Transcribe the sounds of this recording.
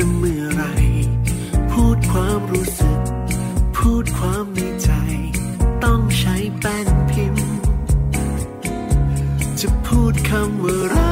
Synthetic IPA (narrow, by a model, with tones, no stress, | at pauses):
a˧mɯ˧˩əɾa˧j | pʰuː˥˩t̪̚kʰwaː˧˥mɾuː˦˥sɯ˨˩k̚pʰuː˥˩t̪̚kʰwaː˧˥mːi˧t͡ɕa˧j | t̪ɔ˥˩ŋt͡ɕʰa˦˥jpɛː˧˩npʰi˧˥n | t͡ɕa˨˩pʰuː˥˩t̪̚kʰa˧mwɯː˧˥ɾa˧˦